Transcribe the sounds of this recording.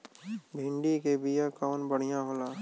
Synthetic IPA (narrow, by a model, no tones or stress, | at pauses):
bʱɪ̃ɳɖikebijakɔːnbəɽ̤ijãɦolaː